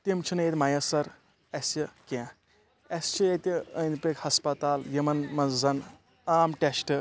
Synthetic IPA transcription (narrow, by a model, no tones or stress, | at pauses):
t̪imt͡ʃʰinet̪ʲmajɐsɐɾ | ɐsikẽ | ɐst͡ʃʰiet̪iənpekhɐspɐt̪aːljɐmɐnmɐzɐn | aːmʈesʈɨ